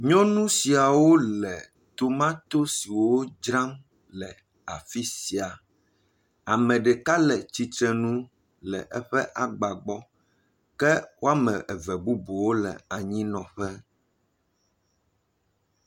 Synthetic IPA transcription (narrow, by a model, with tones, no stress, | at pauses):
ɲɔ̃˦nũ˦si˨a˨wo˦lɛ˨ | t̪o˦mã˦t̪o˦si˨wo˦d͡ʒɾã˦m | lɛ˨ | a˨fi˦si˨a˨ | a˨mɛ̃˨ɖɛ˨ka˦lɛ˨t͡ɕi˦t̪ɾɛ˦nũ˦ | lɛ̰˨ʔɛ˦ɸɛ˦ʔa˨ɡ͡ba˨ɡ͡bɔ˦ | kɛ˦wo˦a˦mɛ̃˨ʔɛ˨vɛ˨bu˦bo˨wo˦lɛ̰˨a˨ɲĩ˦nɔ̃˨ɸɛ˦